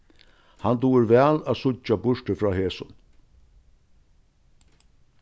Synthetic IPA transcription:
hant̪uːɪɾʋæːlæːðsʊt͡ʃːabʊʂʈəfɾɔːɦeːsʊn

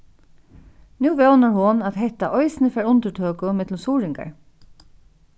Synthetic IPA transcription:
nuːvɛwnaɹɦʊnaðɦɛht̪ːaʔɔjsɪnɪfɛːɾʊnt̪ət̪ʰøːkʊmɪt̪lʊmsuːɾɪŋka̰ɹ

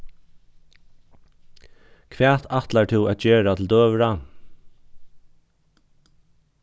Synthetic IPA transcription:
kʰʋæːt̪ʰat̪lat̪ʰɪwæt̪̚d͡ʒeːɾat̪ʰɪld̪øːʋɾa

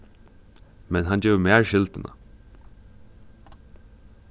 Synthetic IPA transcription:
mɛnɦand͡ʒɛːʋmæːɹʃɪlt̪ɪnʔa̰

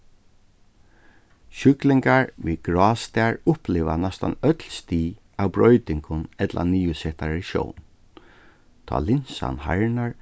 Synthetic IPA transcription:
ʃʏklɪŋkaɹʋiːɡɹɔːst̪ɛaɹʊhplɪːʋanɛst̪a̰nœt̪lst̪iː | awbɹɔʏt̪ɪŋkʊnɛt̪lʔa̰niːʊsɛht̪aɾɪʃo̰wn | t̪ʰɔ̰ːlɪnsa̰nhaɹnaɹ

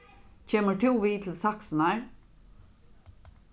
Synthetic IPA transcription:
c͡çeːməʈʰuːʋiːt̪ʰl̩sɑksnæɹ

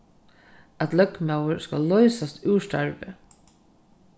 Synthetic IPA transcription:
at̪lœkmawəɾska̰lːɔʏsast̪ʉwʃt̪a̰ɹvɪ

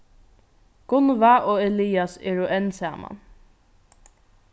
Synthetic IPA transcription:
ɡ̥ʊnvaʔoːɛliːasḛːɹʊʔɛnsæ̰ːma̰n

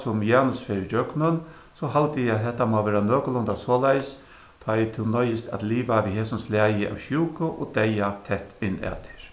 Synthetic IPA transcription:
sʊmjaːnʊsfeɾɪd͡ʒœknʊn | sɔɦalt̪ɪjɪat̪ɦɛht̪ːamaːʋɛːɾanøːkʊlʊnt̪asɔːlajs | t̪ʰɔjt̪ʰɪnɔjɪst̪a̰t̪liːʋaʋiɦeːsʊmslæːjɪʔa̰wʃjuːkʊʔɔt̪ɛjat̪ʰɛht̪ːɪnːɛ̰ːt̪ʰɪ̥ɹ̥

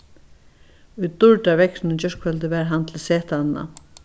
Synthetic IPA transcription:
ʊjd̪ʊɹʈavɛknɪnt͡ɕœʂkfɛlt̪ɪvɛɾɦant̪ʰɪlseːht̪anna̰

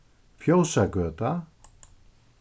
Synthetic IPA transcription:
fjowsakœːt̪a

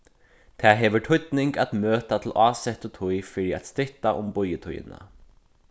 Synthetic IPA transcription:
t̪ʰæːɦeːʋəʈʰʊʏt̪nɪŋɡɑt̪møːt̪at̪ʰl̩ʔɑːsɛt̪ot̪ʰʊjfəɖiːɑ̰t̪st̪ɾʏt̪aʔʊmbɔʏət̪ʰʊ̰jə̰nə̰

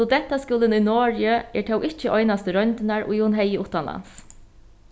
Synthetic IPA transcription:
ʊd̪ɛht̪ːaskʊːlɪnʊjnɔːɹjəɛt̪ʰawʔɪht͡ʃːəʔɔjnast̪əɾœnt̪ɪnaɹʊ̰jhʊnɦɛjːəʊht̪anla̰ns

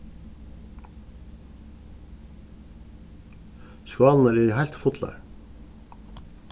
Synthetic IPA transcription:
skɑːln̩æɾiːɾhæɪlt̪fʊt̪lɑ̰ɹ

